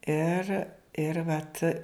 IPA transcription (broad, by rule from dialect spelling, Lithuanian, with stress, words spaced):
ˈɪr ɪr ˈʋɐt